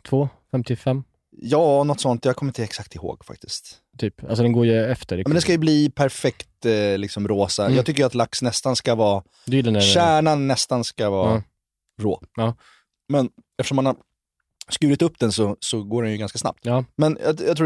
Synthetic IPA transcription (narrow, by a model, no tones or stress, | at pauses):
t̪ʰvoːfɛmt̪ɪfɛmː | jɑːɔnɔt̪ːsɔnt̪jɑːkʰɔmːɾɪnt̪ɛksak̚t̪ɪho̰ːɡfa̰k̚t̪ɪskt̪ | t̪ʰyːpa̰ls̬ɔd̪ɛnɡoːɾjɵɛft̪əɾmɛnd̪ɛnskajɵbliːpʰæɾfɛkt̪lɪksɔmɾoːsajjɑːɡt̪ʏk̬ːəjəat̪laksnɛst̪anskavɑː | d̪ɵjɪlːanʃæːɳanːɛst̪anskavɑ̰ː | ɾo̰ː | mɛnɛftəʂɔmːanhaɾ | skʉ̟ːɾɪt̪ɵpːd̪ɛnsɔsɔɡoːɖɛnjɵɡanskasna̰p̚t̪ɑːmɛnjɑjɑt̪ʰɾu